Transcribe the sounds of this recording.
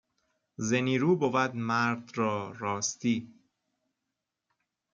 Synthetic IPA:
zeniːɾuːbovæd̪mæɾd̪ɾɒːɾɒːst̪iː

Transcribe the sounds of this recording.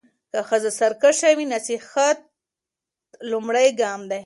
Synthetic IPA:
kaxəzasaɾkaʃawinasixat̪̚ | lʊmɽajɡɑmd̪aj

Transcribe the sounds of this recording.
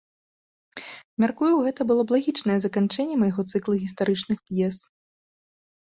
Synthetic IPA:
mʲarkujuwɣɛt̪ɐbɨlˠɔblˠaɣʲit͡ʂnɐjɛzɐkant͡ʂɛnʲːɛmɐjɣɔt̪sɨklˠɐɣʲist̪aɾɨt͡ʂnɨxpjɛs

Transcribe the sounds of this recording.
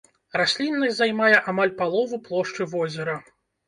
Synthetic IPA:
rasʲlʲinːɐsʲzajmajɛʔamalʲpalˠɔvuplˠɔʂt͡ʂɨvɔzʲɛɾɐ

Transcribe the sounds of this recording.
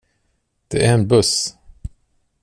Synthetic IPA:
d̪̥ɛæɾɛnbɵs

